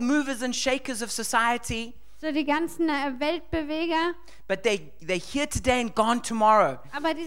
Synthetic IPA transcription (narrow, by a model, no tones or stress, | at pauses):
mʉːvəzə̃nʃeɪkəzʌv̥səsaɪətʰi | odiːɡant͡sn̩ɛvɛlt̚b̥əveːɡɐ | b̥ʌt̪̚ðeɪ | ðeɪhiətʰɨdeɪɨ̃nɡɔ̃ntʰəmɔɹoʊaːbɐdi